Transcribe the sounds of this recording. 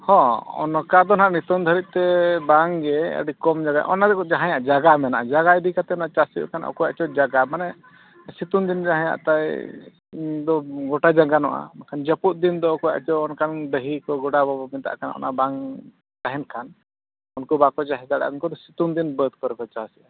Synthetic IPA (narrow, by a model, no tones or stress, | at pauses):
hɔ̃ɔ̰nɔkad̪ɔnɦaʔnit̪ɔnd̪ʱəɾit̪̚t̪ɛbaŋɡɛə̰ɖikɔmd͡ʒaɡaʔɔ̰nad̪ɛkɔd͡ʒaɦãjaʔd͡ʒaɡamɛnaʔad͡ʒaɡaid̪ikat̪ɛɔnaʔt͡ʃasḭkʰanɔ̰kɔjaʔt͡ʃɔd͡ʒaɡamanɛ | sit̪und̪ind͡ʒaɦãja̰ʔt̪aj | d̪ɔɡɔʈad͡ʒaɡanɔʔa̰nakʰand͡ʒəpuʔ̪̚ˀd̪ind̪ɔɔkɔja̰ʔt͡ʃɔɔnkanɖəɦikɔɡɔɽabɔbɔmit̪a̰ʔkanʔɔ̰nʔa̰ʔbaŋ | t̪aɦɛnkʰan | unkɔbakɔd͡ʒaɦɛd̪aɽa̰nkɔd̪ɔsit̪und̪inbəd̪̚kɔɾɛkɔt͡ʃasiʔa